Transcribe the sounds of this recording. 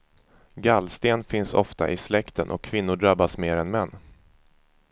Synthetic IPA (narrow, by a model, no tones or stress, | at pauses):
ɡalːst̪eːnfɪnsɔ̰ft̪a̰ʔɪslɛkt̪ənʔɔ̰kʰːvɪnːʊɖɾabːasmeːɾɛnmɛnː